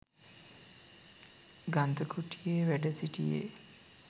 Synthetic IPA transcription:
ɡand̪əkʰuʈijeʋæɖəsiʈḭjḛ

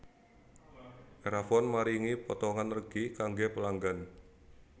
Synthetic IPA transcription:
ʔeɾafɔnmaɾiŋipɔt̪ɔŋanːərɡ̥ikaŋɡepəlaŋɡan

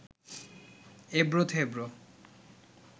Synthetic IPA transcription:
ebɾot̪ʰebɾo

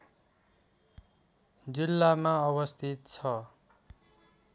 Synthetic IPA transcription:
d͡zilːamaʌβʌst̪ʰit̪̚t͡sʰʌ

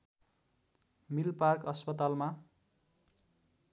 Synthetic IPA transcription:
milparkʌspʌt̪alma

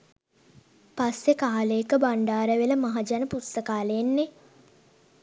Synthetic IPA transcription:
pasːekaːləekəbaɳɖaːɾəʋeləmaɦad͡ʒanəpust̪əkaːləenːe

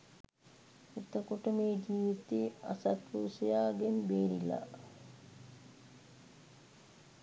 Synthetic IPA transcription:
et̪əkoʈəmeːd͡ʒiːʋit̪ia̰sat̪ɾuːsejaːɡenbeːɾila̰

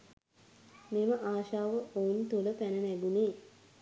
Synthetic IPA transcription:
meməʔaːʃaːʋəʔount̪uləpænənæɡuneː

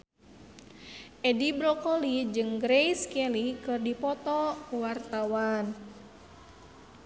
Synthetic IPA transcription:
ʔɛdibɾɔkɔlid͡ʒɨŋɡɾɛjskɛlikɨrdipɔt̪ɔwart̪awan

